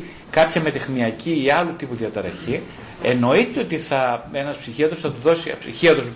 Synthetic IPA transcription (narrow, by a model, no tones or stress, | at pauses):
kɐpçɐme̞t̪exmiɐciːɐlut̪ipuðiɐt̪ɐɾɐçi | e̞no̞it̪eo̞t̪iθɐe̞nɐspsiçiɐt̪osθɐt̪uðo̞sipsḭçiɐt̪os